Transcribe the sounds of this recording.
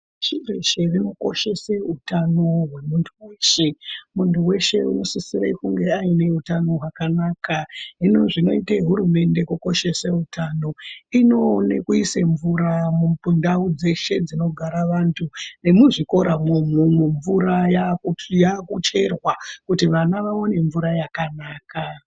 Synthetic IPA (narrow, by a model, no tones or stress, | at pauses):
ʃirḛʃe̞rino̞ko̞̰ʃe̞seutano̞ɦwe̞muntʰuweːʃemuntuwe̞ʃe̞̰ṵno̞sisiɾḛikuŋɡe̞aine̞utano̞ɦwakanaːkaino̞ʐino̞iteɦuɾume̞nde̞kuko̞ʃe̞sautʰano̞ino̞nḛkuiseɱvuɾamumpundaud͡ze̞ʃe̞d͡zino̞ɡʱaɾaʋantʰune̞muʐiko̞ɾamomumeɱvuɾajajakut͡ʃe̞rwakutiʋanaʋaone̞ɱvuɾajakanaːka